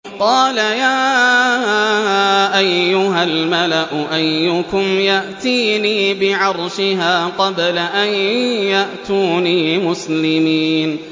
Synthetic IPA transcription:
qɑːlajaː | ʔajːʊɦalmalaʔʊʔajːʊkʊmjaʔt̪iːniːbɪʕɑɾˤʃɪɦaːqɑblaʔanjaʔt̪uːniːmʊslɪmiːn

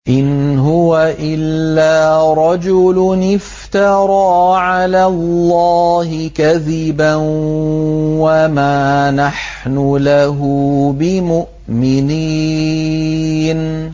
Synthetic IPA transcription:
ʔɪnɦʊwaʔɪlːaːɾˤɑd͡ʒʊlʊnɪf | t̪ɑɾˤɑːʕalaːlːɑːhɪkaðɪban | wamaːnaħ | nʊlaɦʊbɪmʊʔ | mɪniː | n

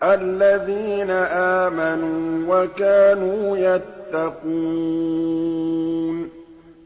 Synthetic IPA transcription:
ʔalːaðiːnaʔaːmanuːwakaːnuːjat̪ːɑquː | n

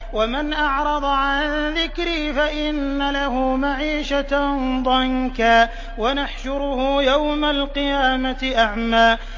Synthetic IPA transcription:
wamanʔɑʕɾˤɑd̪ˤɑʕanðɪkɾiːfaʔɪnːalaɦʊːmaʕiːʃad̪ˤɑŋkaː | wanaħʃʊɾʊhʊːjawmalqɨjaːmat̪ɪʔaʕmaː

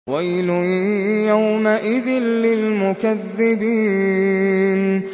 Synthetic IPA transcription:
wajlʊjawmaʔɪðɪnlɪlmʊkaðːɪbiː | n

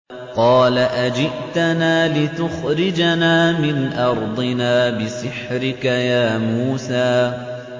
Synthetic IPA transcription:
qɑːlaʔad͡ʒɪʔt̪anaːlɪt̪ʊxɾɪd͡ʒanaːmɪnʔɑɾˤd̪ˤɨnaːbɪsɪħɾɪkajaːmuːsaː

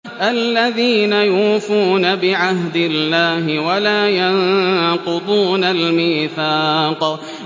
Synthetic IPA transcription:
ʔalːaðiːnajuːfuːnabɪʕaɦd̪ɪlːaːɦɪwalaːjanqʊd̪ˤuːnalmiːθɑːq

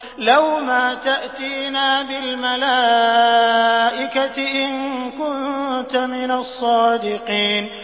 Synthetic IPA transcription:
lawmaːt̪aʔt̪iːnaːbɪlmalaː | ʔɪkaʔɪnkʊnt̪amɪnasˤːɑːd̪ɪqiːn

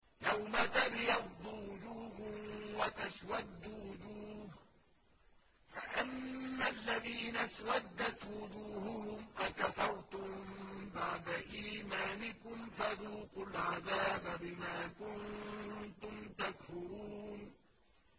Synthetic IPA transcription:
jawmat̪abjɑbd̪ˤʊwʊd͡ʒuːhʊmwat̪aswad̪ːwʊd͡ʒuːh | faʔamːalːaðiːnaswad̪ːat̪wʊd͡ʒuːhʊhʊmʔakafɑɾˤt̪ʊmmbaʕd̪aʔiːmaːnɪkʊmfaðuːqʊlʕaðaːbabɪmaːkʊnt̪ʊmt̪akfɪɾuːn

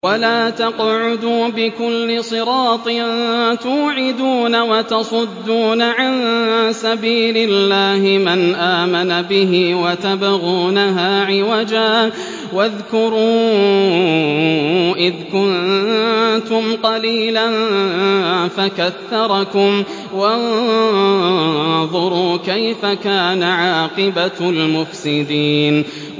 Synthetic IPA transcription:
walaːt̪ɑqʕʊd̪uːbɪkʊlːɪsˤɨɾɑːt̪ˤɨnt̪uːʕɪd̪uːnawɑt̪ɑsˤʊd̪ːuːnaʕansabiːlɪlːaːhɪmanʔaːmanabɪɦɪwat̪abaɣuːnaɦaːʕɪwad͡ʒaː | waðkʊɾuː | ʔɪðkʊn | t̪ʊmqɑliːlan | fakaθːɑɾˤɑkʊm | wan | ðˤʊɾuːkajfakaːnaʕɑːqɨbalmʊfsɪd̪iːn

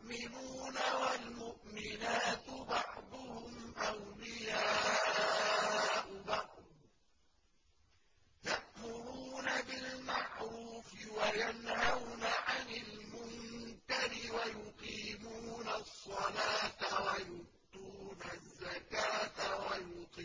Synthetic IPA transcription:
ʔmɪnuːnawalmʊʔmɪnaːt̪bɑʕd̪ˤʊhʊmʔawlɪjaː | ʔʊbɑʕd̪ˤ | jaʔmʊɾuːnabɪlmaʕɾuːfɪwajanhawnaʕanɪlmʊnkaɾɪwajʊqiːmuːnasˤːɑlaːt̪awajʊʔt̪uːnazːakaːt̪awajʊqː

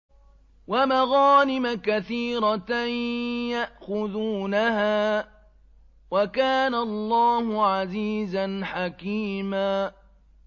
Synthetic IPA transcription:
wamaɣaːnɪmakaθiːɾˤɑ | jaʔxʊðuːnahaː | wakaːnalˤːɑːhʊʕaziːzanħakiːmaː

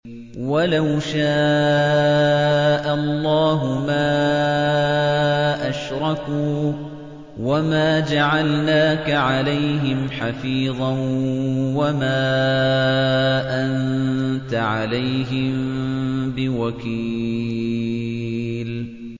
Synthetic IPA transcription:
walawʃaː | ʔalˤːɑːɦʊmaː | ʔaʃɾˤɑkuː | wamaːd͡ʒaʕalnaːkaʕalajɦɪmħafiːðˤɑ | wamaː | ʔant̪aʕalajɦɪmmbɪwakiː | l

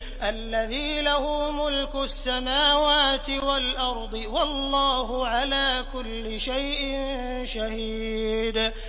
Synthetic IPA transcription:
ʔalːaðiːlahʊːmʊlkʊsːamaːwaːt̪ɪwalʔɑɾˤd̪ˤɨwɑlˤːɑːɦʊʕalaːkʊlːɪʃajʔɪn | ʃahiːd̪

